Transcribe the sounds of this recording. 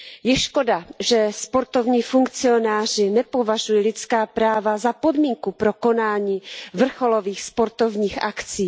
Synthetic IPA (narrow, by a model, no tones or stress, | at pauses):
jɛʃko̞daʒɛspo̞ɾt̪o̞vɲiːfuŋkt͡sɪo̞naːr̝ɪnɛpo̞vaʒujɛlɪt͡skaːpɾaːvazapo̞dmiːŋkupɾoko̞naːɲiːvr̩xo̞lo̞viːxspo̞ɾt̪ovɲiːxʔakt͡siː